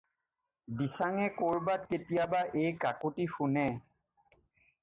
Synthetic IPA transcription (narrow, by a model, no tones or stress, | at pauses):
disaŋɛkoɹbatketijabaʔejkakuʈifunɛ